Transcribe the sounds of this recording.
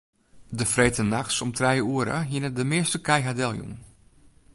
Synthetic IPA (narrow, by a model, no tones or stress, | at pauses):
dəfreːtənaxsɔmtrɛjəuəɾə̰ɦinədəmɪəstəkɛjɦadɛlˠjṵŋ